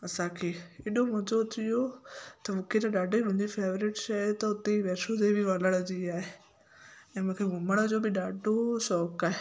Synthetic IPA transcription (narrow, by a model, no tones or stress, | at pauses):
ɐsãkʰeːɪːɗomʊ̃d͡ʑot̪ijot̪ɐʋʊkʰet̪ɐɗaːɖʱeiɾʊ̃d͡ʑifʰeːʋɾɪʈʃat̪ɐʊt̪eiʋɛːsot̪ebʱiʋələɽəd͡ʑiaːɦe | ɛ̃ːmʊ̃ːkʰeɡʱʊməɽ̃əd͡ʑoːbʱɪɗaːɖʱosɔːkaːɦe